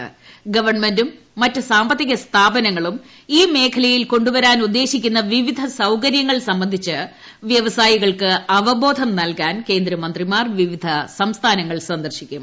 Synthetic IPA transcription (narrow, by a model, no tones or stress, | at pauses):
ɡɐʋɐrɳmendumː | ɐtːɨsaːmbɐt̪ːiɣɐst̪ʰaːbɐnɐŋːɐɭum | iːme̞ːkʰɐlɐjilko̞ɳɖuʋɐɾaːnud̪ːe̞ːɕikʲːunːɐʋiʋid̪ʱɐsɐwkɐɾjɐŋːɐɭsɐmbɐnd̪ʱit͡ɕːɨ | ʋjɐʋɐsaːjiɣɐɭkɨɐʋɐbo̞ːd̪ʱɐmnɐlkaːnke̞ːnd̪ɾɐmɐnd̪rimaːrʋiʋid̪ʱɐsɐmst̪ʰaːnɐŋːɐɭsɐnd̪ɐrɕikʲːum